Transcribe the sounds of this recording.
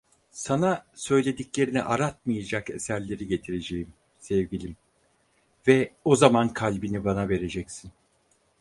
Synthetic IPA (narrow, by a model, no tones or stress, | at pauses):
sanasø̞jlʲe̞d̪iclʲe̞ɾinḭʔaɾat̪̚mɯjad͡ʒake̞sæɾlʲe̞ɾiɟe̞t̪ʰiɾe̞d͡ʒe̞jim | sɛvɟilʲim | vɛo̞zamankʰalʲbinibanave̞ɾe̞d͡ʒɛcsin